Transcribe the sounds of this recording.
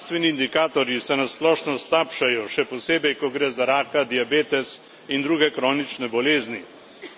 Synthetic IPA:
st̪ʋɛniːnd̪ikaːt̪ɔɾjisɛnasplɔːʃnɔst̪aːpʃajɔʃɛpɔseːbɛjkɔɡɾɛːzaɾaːkad̪iabeːt̪ɛs | ind̪ɾuːɡɛkɾɔːnit͡ʃnɛbɔleːzni

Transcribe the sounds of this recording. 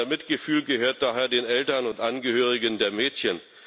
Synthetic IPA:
ɐmɪtɡ̥əfyːlɡəhøːɐt̚d̥aːɦeːɐdeːnɛltɐnʊntʔanɡəhøːʁ̞ɪɡəndeːɐmɛːtçən

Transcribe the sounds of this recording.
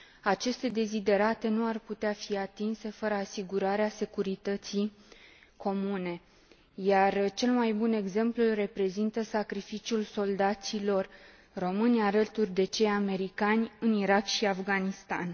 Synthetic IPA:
at͡ʃe̞st̪e̞d̪e̞zid̪e̞ɾat̪e̞nuarput̪eafiat̪inse̞fəɾəasiɡuɾaɾease̞kuɾit̪ət̪si | kʰo̞mune̞ | jart͡ʃe̞lmajbune̞ɡze̞mplure̞pɾe̞zint̪əsakɾifit͡ʃiulso̞ld̪at̪silo̞r | ro̞mɨnʲaɾət̪urʲd̪e̞t͡ʃe̞jame̞ɾikanʲɨniɾakʃiafɡanist̪a̰n

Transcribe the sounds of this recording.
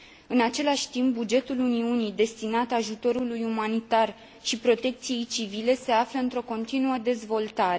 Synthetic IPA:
ɨnat͡ʃe̞laʃʲt̪imp̚bud͡ʒe̞t̪uluniunid̪e̞st̪inat̪aʒut̪o̞ɾulujumanit̪ar | ʃipɾo̞t̪e̞k̚t̪sije̞jt͡ʃivile̞se̞afləɨnt̪ɾo̞ko̞nt̪inuəd̪e̞zvo̞lt̪aɾe̞

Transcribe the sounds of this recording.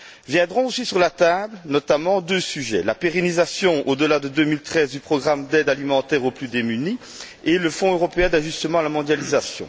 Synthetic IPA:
vjɛ̃d̪ʁɔ̃osisyʁlat̪ablənɔt̪amɑ̃d̪øsyʒɛlapeʁenizasjɔ̃od̪əlad̪əd̪øːmilt̪χɛzd̪ypχɔɡʁamd̪ɛd̪alimɑ̃t̪ɛʁoplyd̪emyni | eləfɔ̃øʁɔpeɛ̃d̪aʒyst̪əmɑ̃alamɔ̃d̪jalizasjɔ̰̃

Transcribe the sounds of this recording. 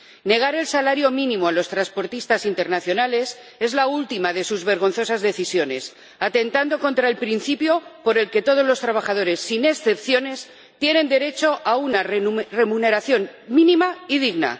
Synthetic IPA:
ne̞ɣ̞aɾe̞lsalaɾjo̞mĩnĩmoalo̞st̪ɾanspo̞ɾt̪ist̪asint̪eɾnaθjo̞nale̞s | e̞zlault̪imaðe̞suzβe̞ɾɣ̞o̞nθo̞sazðe̞θisjo̞ne̞s | at̪e̞nt̪and̪o̞ko̞nt̪ɾaelpɾinθipjo̞po̞ɾe̞lke̞t̪o̞ð̞o̞zlo̞st̪ɾaβ̞axaðo̞ɾe̞sːine̞sθe̞pθjo̞ne̞s | t̪je̞nẽ̞nd̪e̞ɾe̞t͡ʃo̞ʔaunarre̞mũne̞ɾaθjo̞nmĩnĩmaiðiɣna̰

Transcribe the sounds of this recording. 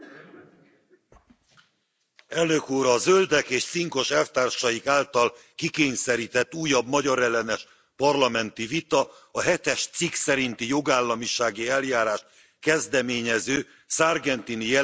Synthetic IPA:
ɛlnøkuːɾɒzø̞ld̪ɛkeːʃt̪siŋko̞ʃɛlft̪aːrʃɒjikaːlt̪ɒl | kikeːɲsɛɾit̪ɛt̪ːuːjɒbmɒɟɒɾɛlːɛnɛʃ | pɒrlɒmɛnt̪ivit̪ɒ | ɒɦɛt̪ɛʃt̪siksɛɾint̪ijo̞ɡaːlːɒmiʃaːɡiɛljaːɾaːʃt̪ | kɛzd̪ɛmeːɲɛzøː | sarɡɛnt̪inijɛ

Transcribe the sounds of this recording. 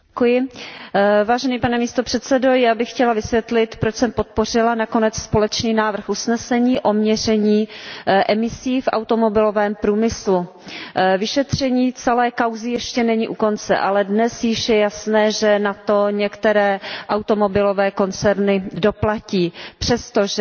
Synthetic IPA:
kujɪ | vaːʒɛniːpanɛmiːst̪o̞pr̥ɛt̪t͡sɛdo̞jaːbɪxxcɛlavɪsvjɛt̪lɪt̪pɾot͡ʃsɛmpo̞t̪̚po̞r̝ɪlanako̞nɛt͡sspo̞lɛt͡ʃniːnaːvr̩xʔusnɛsɛɲiːʔo̞mɲɛr̝ɛɲiːʔɛmɪsiːfʔa̰wt̪o̞mo̞bɪlo̞vɛːmpɾuːmɪslu | vɪʃɛt̪r̝̥ɛɲiːt͡sɛlɛːkawzɪjɛʃcɛnɛɲiːʔuko̞nt͡sɛ̰ʔalɛdnɛsjɪʃjɛjasnɛːʒɛnat̪o̞ɲɛkt̪ɛɾɛːʔawt̪o̞mo̞bɪlovɛːko̞nt͡sɛɾnɪdo̞placiːpr̝̥ɛst̪oʒ

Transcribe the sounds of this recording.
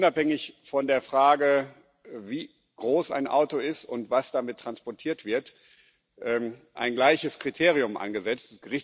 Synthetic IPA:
ʔʊnaphɛŋɪçfɔndeːɐfʁ̥aːɡə | viː | ɡ̥ʁoːsa̰ɪnʔa̰ʊtoɪstʊntv̥asd̥amɪtʰːʁ̥anspɔɐtʰiːɐtv̥ɪɐt | ʔɛːmʔa̰ɪnɡlaɪçəskʁ̥itʰeːʁ̞iʊmʔa̰nɡəzɛt͡stɛsɡ̥əʁɪç

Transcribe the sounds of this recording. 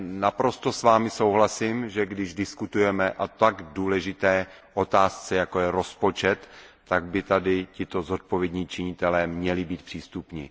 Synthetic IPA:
napɾo̞st̪o̞svaːmɪso̞wɦlasiːmʒɛɡdɪʒdɪskut̪ujɛmɛʔat̪aɡduːlɛʒɪt̪ɛːʔo̞t̪aːst͡sɛjako̞jɛɾo̞spo̞t͡ʃɛt̪ː | aɡbɪt̪adɪcɪt̪o̞zo̞t̪̚povjɛd̪ɲiːt͡ʃɪɲɪt̪ɛlɛːmɲɛlɪbiːt̪̚pr̥iːst̪upɲɪ̰

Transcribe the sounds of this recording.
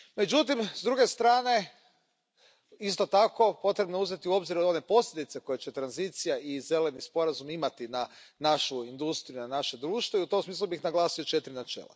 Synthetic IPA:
me̞d͡ʒut̪imzd̪ɾuɡe̞st̪ɾaːne̞ | is̬t̪o̞t̪ako̞po̞t̪ɾe̞bnouze̞t̪iuo̞bziɾone̞po̞slʲjʲed̪it̪se̞ko̞jet͡ɕe̞t̪ɾanzit̪sijaize̞le̞nispo̞ɾazumimat̪ina | naʃuind̪ust̪ɾijunanaʃe̞d̪ɾuːʃt̪ʋoiut̪o̞msmiːslˠubixnaɡlˠaːsio̞t͡ʃe̞t̪ɾinat͡ʃḛːlˠa̰

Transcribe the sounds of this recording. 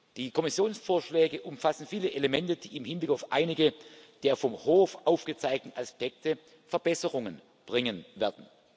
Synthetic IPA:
d̥iːkʰɔmɪsjoːnsfoːɐʃlɛːɡəʔʊmfasn̩fiːləʔelemɛntəd̥ḭːɪmhɪnblɪkaʊfʔa̰ɪnɪɡəd̥eːɐfɔmhoːfʔaʊfɡ̥ət͡saɪɡ̚tn̩ʔaspɛk̚tə | fɛɐbɛsəʁʊŋən | b̥ʁɪŋənvɛːɐdn̩

